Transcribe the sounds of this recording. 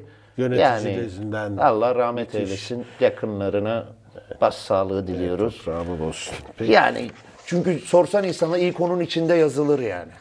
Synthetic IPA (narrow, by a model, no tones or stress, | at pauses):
jønejaːnɪzind̪ænalˠːaːɾahmɛt̪ʰejlʲeʃinjakʰɯnlˠaɾɯna | b̥assaːlˠɯɯd̪ilʲijo̞ɾuz̥aːmɛdosuja̰ːnɪ̰ | t͡ʃʰyɲcyso̞ɾsaninsanaɾijkʰo̞nunit͡ʃʰind̪ɛjazɯlˠɯɾja̰ːnɪ